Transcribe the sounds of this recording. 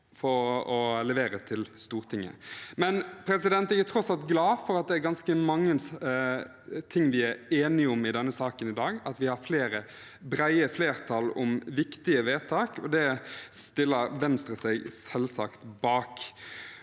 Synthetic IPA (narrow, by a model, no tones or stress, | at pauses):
fɔɾɔlɛʋeːɾət̪ʰɪlst̪uːʁt̪ʰɪŋːə̰mɛnpʰɾɛsɪd̪ɛnt̪æɪət̪ʰɾɔsɑlt̪ɡlɑːfɔɾɑt̪̚d̪ɛæɾɡɑnskəmɑŋːə | t̪ʰɪŋːʋɪæɾeːnɪəʊmɪd̪ɛnːəsɑːkənɪd̪ɑːɡɑt̪ʋɪhɑfleːɾə | bɾæɪəfleːʁt̪ʰɑlɔ̰mʋɪkt̪ɪəʋeːt̪ʰɑːkʰɔd̪ɛst̪ɪlːəɾʋɛnst̪ɾəsɛɡsɛlsɑ̰kt̪bɑːk